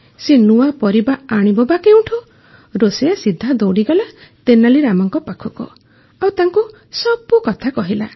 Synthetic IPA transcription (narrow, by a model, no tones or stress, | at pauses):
senuwapɔɾibaaɽ̃ibɔbakeũʈʰu | ɾosejasid̪ʱːad̪ɔwɽiɡɔlat̪enaliɾamɔŋkɔpakʰukɔ̰ | awt̪aŋku | sɔbukɔt̪ʰakɔɦila